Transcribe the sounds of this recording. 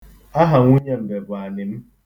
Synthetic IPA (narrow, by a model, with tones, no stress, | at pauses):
a˦ɦa˨ŋʷu˦ɲe˦m̩˨be˨bʷa˨nɪ˨m̩˦